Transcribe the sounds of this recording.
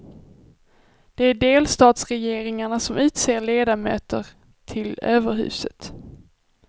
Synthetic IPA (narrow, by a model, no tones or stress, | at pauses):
d̪̥ɛæɖeːlst̪ɑːt̪sɾɛjeːɾɪŋaɳasɔmʔʉ̟ːt̪seːɾɭeːd̪amø̰ːt̪əɾ | t̪ʰɪløːvəɾɦʉ̟̰ːsə̰t̪